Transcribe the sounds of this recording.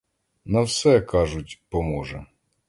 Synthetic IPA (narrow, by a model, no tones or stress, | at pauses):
nɐwsɛkɑʒʊtʲpɔmɔʒɛ̰